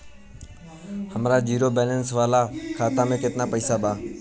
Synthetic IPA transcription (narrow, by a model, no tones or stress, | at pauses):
həmɾaːd͡ʒiːɾoːbɛːlənsʋaːlaːkʰaːt̪aːmẽːket̪naːpəiːsaːbaː